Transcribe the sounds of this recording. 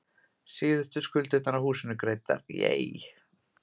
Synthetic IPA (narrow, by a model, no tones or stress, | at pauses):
sɪːðʏht̪ʏskʰʏlt̪ɪt̪anahuːsɪnʏkɾeːjt̪a̰ɾjḛːj